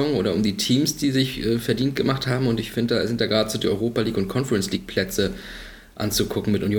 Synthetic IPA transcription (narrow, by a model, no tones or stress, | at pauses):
ɔŋʔoːɾɐʊmdiːtʰiːmsd̥iːzɪçʔɛːfɛɐdiːnt̚ɡ̥əmaχthaːbm̩ʊntɪçfɪndəd̥aːzɪnt̚d̥aːɡʁaːdəz̥uːdiːɔʏʁoːpaliːkʊnt̚kʰɔnfɛʁɛnsliːk̚pʰl̥ɛt͡sə | ʔa̰nt͡suɡʰʊkŋ̩mɪtʔʊnjoː